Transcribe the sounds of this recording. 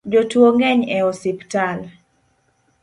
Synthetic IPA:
d͡ʒotwoŋɡɛɲɛɔsɪptal

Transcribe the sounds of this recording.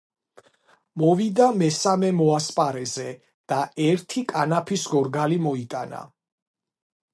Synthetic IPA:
mɔvid̪amɛsamɛmɔaspʼaɾɛzɛ | d̪̥aɛɾt̪ʰikʼanapʰisɡɔɾɡalimɔit̪ʼana̰

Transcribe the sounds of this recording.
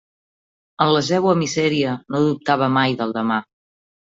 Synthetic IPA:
ənləzɛwəmizɛɾiənoðup̚t̪aβ̞əmajðəlˠd̪əma

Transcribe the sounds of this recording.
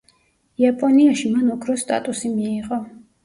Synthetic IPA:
iapʼɔniaʃimanɔkʰɾɔst̪ʼa̰t̪ʼusimiːʁɔ

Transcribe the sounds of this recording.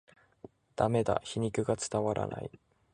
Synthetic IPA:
d̪̥ame̞d̪a̰çiɲ̟ikɯ̟ɡat͡sɨ̥t̪aβaɾʔa̰na̰i

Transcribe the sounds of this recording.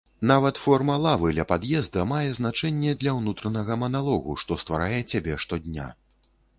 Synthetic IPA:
navɐt̪fɔrmɐlˠavɨd̪lʲɐpad̪jɛzd̪ɐmajɛzn̪at͡ʂɛnʲːɛd̪lʲɐwnut̪ɾɐnɐɣɐmɐnalˠɔɣuʂt̪ɔst̪vaɾajɛt͡sʲabʲɛʂt̪ɔd̪ʲnʲa̰

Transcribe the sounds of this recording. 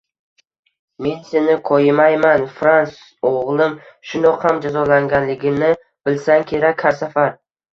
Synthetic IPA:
me̞nse̞nɪqʰɒjɪmajmanfɾans | oʁlˠɪmʃʊnɒqhamd͡ʒazɒlaŋɡʲanlɪɡʲɪnɪ | b̥ɪlsaŋkʲʰe̞ɾakʲʰːaɾsafaɾ

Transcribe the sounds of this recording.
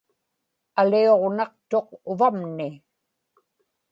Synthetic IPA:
alio̞ʁnɑq̚t̪o̞qʊvamnɪ

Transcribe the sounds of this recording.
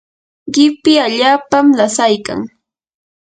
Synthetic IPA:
ɢɪpɪaʎaːpamlasajka̰ŋ

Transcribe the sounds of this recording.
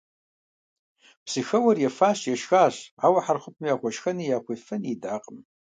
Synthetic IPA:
psɨxɐwɐrjɛfaːɕjɛʃxaːɕaːwɐħarχʷʊp̚ʰmjaːχʷɔʃxɐnijaːkʷefɐnidaːqʼəm

